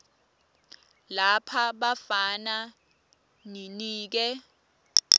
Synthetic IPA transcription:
lapʰaɓafana | niniːk̬ɛ

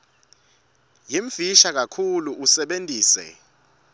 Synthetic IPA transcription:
jiɱv̥iʃak̬akʰuluʔusɛɓentʼiːsɛ̰

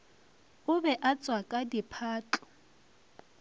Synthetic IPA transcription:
ʊbɛʔat͡sʼwakʼadipʰaːt͡ɬʼɔ̥

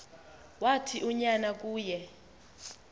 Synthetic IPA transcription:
watʰiʔuɲanak̬ʼuːjɛ

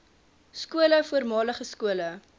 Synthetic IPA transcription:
skuələfuərmɑːləχəskuələ

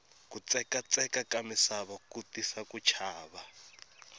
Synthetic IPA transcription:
kut͡sɛkat͡sʼɛkakamɪsaβakutisakut͡ʃʰaːβa

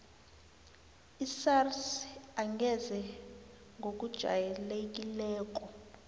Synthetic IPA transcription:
isarsaŋɡʱɛzɛ | ŋʱok̬ud̥ʒ̥ʱa̰jɛlek̬ʼilɛːk̬ɔ

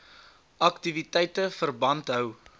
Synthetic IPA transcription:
ʔɐktivitɛjtəfərbɐntɦœw

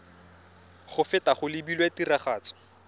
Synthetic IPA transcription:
χʊfɪtaχʊlɪbilwetiraχaːt͡sɔ̥

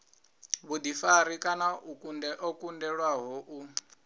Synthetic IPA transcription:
βud̪ifaɾikʼanaukundɛʔɔkʼundɛɺwaɦɔʔu

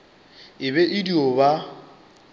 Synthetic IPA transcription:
ɪβɛʔɪdioba

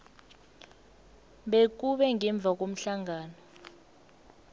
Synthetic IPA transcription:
ɓek̬uɓɛŋɛɱb̪vʱak̬om̩ɬaŋaːnɔ

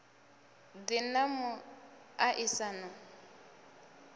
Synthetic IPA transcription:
dɪnamʊ | aʔɪsana

